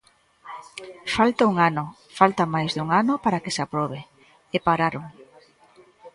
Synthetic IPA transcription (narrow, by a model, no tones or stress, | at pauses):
falt̪auŋano | falt̪amajzðuŋanʊpaɾakesapɾɔβ̞e | epaɾaɾʊŋ